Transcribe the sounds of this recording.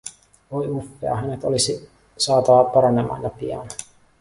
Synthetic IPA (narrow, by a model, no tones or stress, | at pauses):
ʋojufːeɑ̰ɦænet̪olisi | sɑːt̪ɑɑpɑɾɑne̞mɑ̰ːnjɑpḭɑ̰n